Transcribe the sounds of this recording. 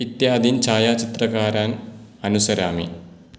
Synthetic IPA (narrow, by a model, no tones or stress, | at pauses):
it̪jaːd̪ʱiːnt͡ʃʰaːjat͡ʃit̪ɾɐkaːɾanɐnusɐɾja̰ːmḭ